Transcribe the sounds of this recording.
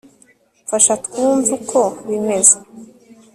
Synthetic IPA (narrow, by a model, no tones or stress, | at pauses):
faʃatkuːɱvukʰoβime̞ze